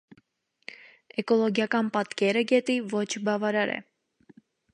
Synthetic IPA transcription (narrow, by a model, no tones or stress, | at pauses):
ɛkɔlɔɡjɑkɑnpɑt̪kɛɾəɡɛt̪ivɔt͡ʃʰbɑvɑɾɑɾɛ̰